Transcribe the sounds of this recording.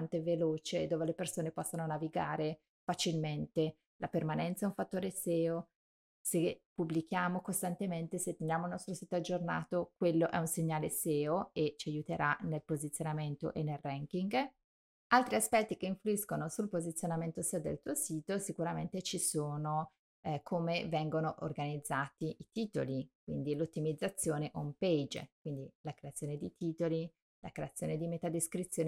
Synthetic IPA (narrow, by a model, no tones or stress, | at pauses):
nt̪eveloːt͡ʃed̪oːvelepersoːnepɔsːononaviɡaːɾe | fat͡ʃilment̪e | lapermanɛnt̪saɛũɱfat̪ːoːɾesɛːo | sepubːlik̟jaːmokost̪ant̪ement̪eset̪ːendjaːmouilnɔst̪ɾosiːt̪oad͡ʒːornaːt̪okwelːoʔɛunseɲːaːleseːoet͡ʃiajut̪eɾʔanelpozit̪sːjonament̪o̰ʔenːelrɛŋkiŋɡ | alt̪ɾiaspɛt̪ːikeiɱfluiskonosulpozit̪sːjonament̪osɛod̪ḛlt̪uːosiːt̪osikuɾament̪et͡ʃisoːno | kʰomevɛŋɡonoʔo̰rɡanid̪zːaːt̪iʔit̪iːt̪o̰lik̚wḭnd̪ilot̪ːimid̪zːat̪sːjoːneʔomped͡ʒkwind̪ilakɾeat̪sːjoːned̪it̪ʰiːt̪oli | lakɾeat̪sːjoːned̪imet̪ad̪eskɾit̪sːjoːn